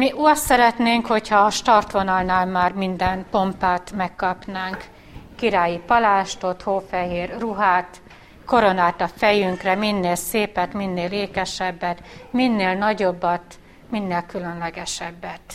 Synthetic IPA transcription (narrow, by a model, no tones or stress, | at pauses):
miʔuɒssɛɾɛt̪neːŋkho̞chɒːʃt̪ɒrt̪ʋo̞nɒlnaːlmaːrmind̪ɛnpo̞mpaːt̪mɛkːɒpnaːŋk | kiɾaːjipɒlaːʃt̪o̞t̪hoːfɛɦeːrruɦaːt̪ | ko̞ɾo̞naːt̪ɒfɛjyŋkrɛminːeːlseːpɛt̪minːeːleːkɛʃɛbːɛt̪minːeːlnɒɟo̞bːɒt̪ | minːeːlkylønlɛɡɛʃɛbːɛt̪